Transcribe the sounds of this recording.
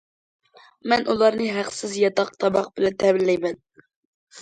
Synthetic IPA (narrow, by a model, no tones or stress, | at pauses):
mɛnʔulˠɑɾnɨɦæqsɪzjɑt̪ɑqt̪ʰɑbɑq̚bɪlɛnt̪ʰɛbɪlːɛjmɛn